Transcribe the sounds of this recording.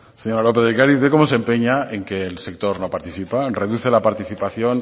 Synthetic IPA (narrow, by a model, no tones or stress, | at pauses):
se̞ɲo̞ɾalo̞peðeɣkaɾiðeko̞mo̞sempe̞ɲae̞ŋke̞ːlse̞k̚t̪o̞ɾno̞paɾt̪iθipare̞ðuθe̞lapaɾt̪iθipaθjo̞n